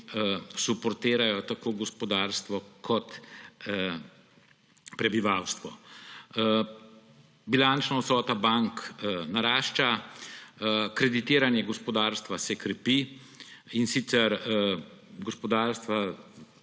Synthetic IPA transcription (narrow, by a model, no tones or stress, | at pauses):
supɔɾt̪eːɾajɔt̪akoːɡɔspɔd̪aɾst̪ʋɔkʰɔt̪ | pɾɛbiʋawst̪ʋɔ | bilant͡ʃnɔt̪sɔːt̪abaŋknaɾaːʃt͡ʃa | kɾɛd̪it̪ɪːɾanjɛɡɔspɔd̪aɾst̪ʋasɛkɾɛpi | insit̪sɛɾ | ɡɔspɔd̪aːɾst̪ʋa